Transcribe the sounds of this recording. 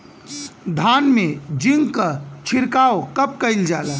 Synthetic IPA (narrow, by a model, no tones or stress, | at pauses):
d̪ʱaːnmed͡ʒiŋɡkət͡ʃʰiɾkaokəp̚kəɪld͡ʒaːlə